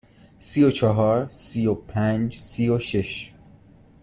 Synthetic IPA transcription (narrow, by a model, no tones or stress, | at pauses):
sijot͡ʃʰɒɦɒːɾsijopʰænd͡ʒsioʃeʃ